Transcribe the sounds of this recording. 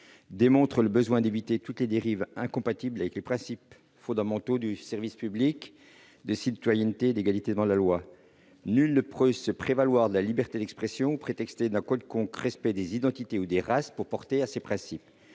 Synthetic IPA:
d̪emɔ̃t̪χələbəzwɛ̃d̪evit̪et̪ut̪led̪eʁivɛ̃kɔ̃pat̪iblavɛklepχɛ̃sip | fɔ̃d̪amɑ̃t̪od̪ysɛʁvispyblik | d̪əsit̪wajɛnt̪ed̪eɡalit̪ed̪əmɑ̃d̪əlalwa | nylnəpχøsəpχevalwaʁd̪əlalibɛʁt̪ed̪ɛkspχɛsjɔ̃upχet̪ɛkst̪ed̪ɛ̃kɔd̪kɔ̃kʁɛspɛd̪ezid̪ɑ̃t̪it̪eud̪eʁaspuʁpɔʁt̪easepχɛ̃sip

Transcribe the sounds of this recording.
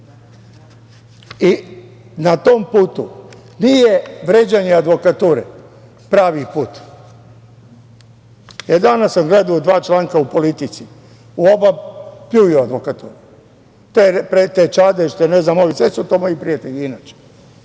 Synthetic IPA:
i | nat̪ompuːt̪u | nijeʋɾeːd͡ʑaɲead̪ʋo̞kat̪uːɾḛ | pɾaːʋipuːt̪ | jed̪anasːamɡled̪aod̪ʋaːt͡ʃlaːŋkaupo̞lit̪it̪si | uobapjuʋioad̪ʋokat̪uːɾu | t̪epɾet̪et͡ʃad̪eʃt̪eneznamoʋisʋesut̪omajipɾiat̪eʎiinaːt͡ʃe̥

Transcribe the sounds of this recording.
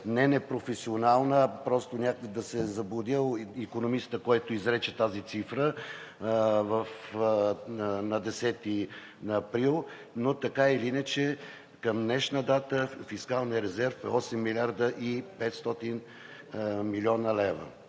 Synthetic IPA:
nɛnɛpɾofɛsionalˠnəpɾɔst̪onʲakd̪ɐsɛzɐblˠʊd̪ilˠikonomist̪əkɔjt̪ʊizɾɛt͡ʃɛt̪azit̪sifɾə | vəf | nɐd̪ɛsɛt̪i | nɐːpɾilˠ | not̪ɐkailiinət͡ʃɛ | kəmd̪nɛʃnəd̪at̪əfiskalˠnijəɾɛzɛɾfɛ̰ɔsɛmːilʲaɾd̪əʔipɛt̪st̪ɔt̪in | milʲiɔnəlɛvə̰

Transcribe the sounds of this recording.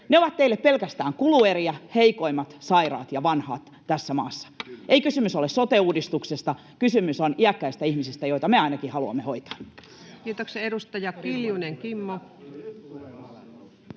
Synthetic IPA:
neoʋɑt̪t̪eilːeppe̞lkæst̪æːŋkulueɾiɑheiko̞imɑt̪sɑirɑ̰ːt̪jɑʋɑnhɑ̰ːt̪ːæsːæmɑ̰ːsːɑ̥ʔeikysymysolessot̪euːdist̪uksest̪ɑ | kysymysoniækːæist̪æihmisist̪æjo̞it̪ɑmeɑinɑkihɑluɑ̰mːeho̞jt̪ɑ̥ːn | kiːt̪okseedust̪ɑjɑkiljuneŋkimːo

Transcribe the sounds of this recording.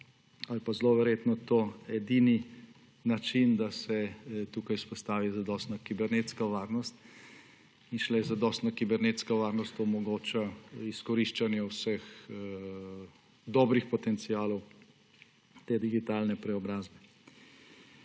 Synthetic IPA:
alpazloːʋɛɾjeːt̪nɔt̪oɛd̪ini | nat͡ʃind̪asɛt̪uːkajspɔst̪aːʋizad̪ɔst̪nakibɛɾneːt̪skaʋaːɾnɔst̪ | inʃlɛzad̪ɔst̪nakibɛɾneːt̪skaʋaːɾnɔst̪omɔɡoːt͡ʃaiskɔɾiʃt͡ʃanjɛwsəx | d̪ɔːbɾixpɔt̪ɛnt̪siaːlɔw | t̪eːd̪iɡit̪alnɛpɾɛɔbɾaːzbɛ

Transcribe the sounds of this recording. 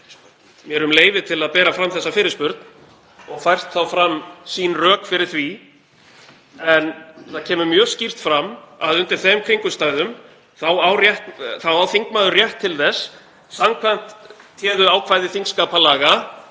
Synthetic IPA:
mjɛɾʏmleːjvɪt̪ʰɪlaðpɛːɾafɾamθɛsːafɪːɾɪspʏɾt̪n̥ | ɔɣfajr̥t̪θawfɾamːsinrœːkfɪɾɪɾ̥θvi | ɛnθaðcʰɛːmʏmjœːscir̥t̪fɾama̰ðʏnt̪ɪɾ̥θɛmkʰɾiŋkʏst̪aːjðʏm | θawawrjɛht̪θawaːwθiŋkmaðʏrjɛht̪ʰːɪlθɛsː | samkʰvan̥t̪ʰjɛːðʏaːwkʰv̥ajðɪθiŋkskapalaːɣa

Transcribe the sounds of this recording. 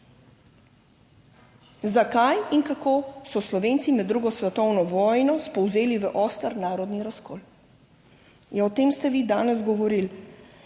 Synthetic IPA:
zakajinkakoːsɔslɔʋeːnt̪simɛd̪ːɾuːɡɔsʋɛt̪ɔwnɔʋɔːjnɔspɔwzeːliʋəʔɔːst̪əɾnaːɾɔd̪niɾaskɔːl | jɛɔt̪eːmst̪ɛʋiːd̪aːnɛzɡɔʋɔɾil

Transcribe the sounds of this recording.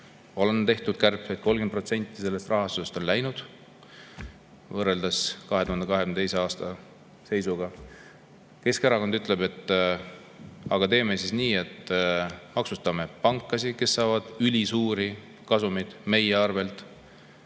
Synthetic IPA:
o̞lent̪e̞ht̪ud̪̥kærpet̪̚ko̞lɡen̚pro̞t̪se̞nʲt̪ˑːise̞lːe̞st̪rʔɑɦɑst̪use̞st̪o̞nlæjnud̪̥ | vɤre̞ld̪̥ɑskɑɦe̞t̪uhɑnd̪ekɑɦe̞knt̪ejseɑːst̪ɑ | se̞jsuɡ̥ɑ | ke̞skeɾɑko̞nd̪yt̪ˑle̞be̞t̪ːˑ | ɑ̰ɡ̥ɑt̪e̞ːmesisniːe̞t̪ː | mɑksust̪ɑme̞pɑŋkːˑɑsike̞sːɑːvɑd̪̥ylʲisuːɾi | kɑsumid̪̥me̞jeɑrve̞lt̪ˑ

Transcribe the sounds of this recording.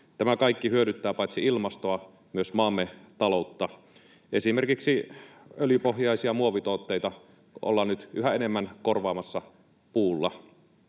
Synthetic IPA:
t̪æmækɑikːihyøɾyt̪ːæːpɑit̪siilmɑst̪oɑ | myøsmɑːmːet̪ɑlout̪ːɑ | e̞simerkiksiøljypohjɑisiɑmuoʋit̪oːt̪ːeit̪ɑ | o̰lːɑnyt̪ʔyɦæenemːænkorʋɑːmɑsːɑ | puːlːɑ̰

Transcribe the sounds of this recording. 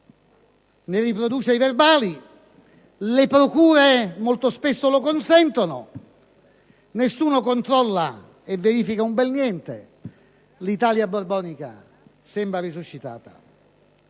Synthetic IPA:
neripɾod̪uːt͡ʃeiverbaːli | lepɾokuːɾemolt̪ospesːolokonsɛnt̪ono̰ | nesːuːnokont̪ɾɔlːa | eveɾiːfikaumbɛlnjɛnt̪ḛ | lit̪aːljaborbɔːnika̰ | sɛmbɾarisuʃːit̪a̰ːt̪a̰

